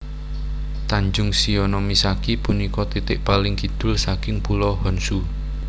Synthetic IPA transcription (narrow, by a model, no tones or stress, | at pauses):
t̪aɲd͡ʒʊŋsionɔmisakipunikɔt̪it̪ɪʔpalɪŋɡi̤d̪̥ʊ̤lsakɪŋpulɔhɔnsu